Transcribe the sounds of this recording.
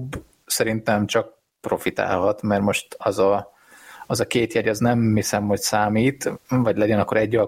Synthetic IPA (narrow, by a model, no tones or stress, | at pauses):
b | sɛɾint̪ɛmt͡ʃɒk̚ | pro̞fit̪a̰ːlɦɒt̪mɛrmo̞ʃt̪ɒzɒ | ɒzɒkeːt̪jɛɟɒznɛmhisɛmho̞csaːmiːt̪vɒɟlɛɟɛnɒkːo̞ɾɛɟːɒ